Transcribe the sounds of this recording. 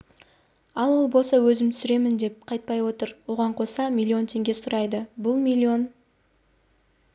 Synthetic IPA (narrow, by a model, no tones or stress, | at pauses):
ɑlˠwolˠbolˠsɑwɵzɪmt̪ʰʏsʏɾe̞mɪnd̪e̞p̚qʰɑjt̪̚pɑjwo̞t̪əɾwo̞ʁɑɴqʰo̞sɑmʲilʲːio̞nt̪ʰe̞ŋɡʲe̞sʊɾɑjd̪əbʊlˠmʲilʲːio̞n